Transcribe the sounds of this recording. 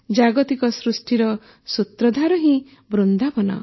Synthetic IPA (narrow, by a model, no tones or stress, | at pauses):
d͡ʒaɡɔt̪ikɔsɾusʈiɾɔ | sut̪ɾɔd̪ʱaɾɔɦĩ | bɾund̪ʱapɔnɔ̰